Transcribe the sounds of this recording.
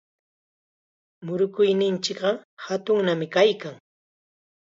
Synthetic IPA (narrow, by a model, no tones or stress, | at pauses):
mʊɾʊkʊjnɪnt͡ʃɪkɢɑhat̪ʊŋnamɪkajkaŋ